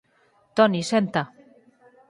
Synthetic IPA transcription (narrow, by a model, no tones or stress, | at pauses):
t̪onisent̪a